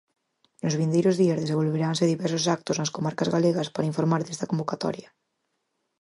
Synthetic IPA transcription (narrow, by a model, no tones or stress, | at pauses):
nozβ̞ĩnd̪ejɾozðiazðes̬embolβeɾanseðiβɛɾs̬osak̚t̪oznaskomaɾkazɣaleɣaspaɾaiɱfoɾmaɾðest̪akombokat̪ɔ̰ɾja